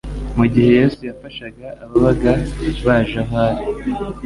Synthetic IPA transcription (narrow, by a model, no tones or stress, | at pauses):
muɟihe̞je̞ːsujafaʃaɡaʔːβaβaɡaβaʒaɦaɾi